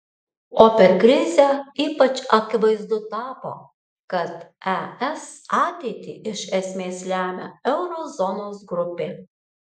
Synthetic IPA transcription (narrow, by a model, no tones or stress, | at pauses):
oːpʲɛɾkɾʲɪzʲɛiːpɐt͡ʃɐkʲɪʋɐɪzd̪ʊt̪ɑːpo̰ː | kɐt̪ɛɛsɑːt̪ʲɛɪt̪ʲḭːɪʃɛsʲmʲeːsʲlʲæːmʲæ̰ɛʊɾoːzɔnoːsɡɾʊpʲeː